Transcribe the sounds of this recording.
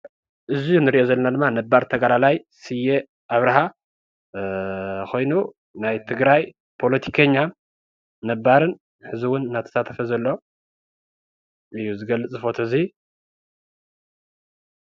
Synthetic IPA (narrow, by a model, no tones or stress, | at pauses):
ʔɨzijunɨɾiʔozɐlːɐnad̪ɨmːanɐbːaɾt̪ʰɐɡalalajsɨje | ʔaβɾaɦa | kʰo̞jnu | najt̪ʰɨɡɾaj | pʰo̞lɐt̪ʰi̥kʰɐɲːa | nɐbːaɾɨn | ħɨziwʊnnːat̪ʰɐ̥sat̪ʰɐfɐzɐlːo̞ | ʔɨjːuzɨɡɐlːɨt͡sʼzɨfo̞t̪ʰɐzi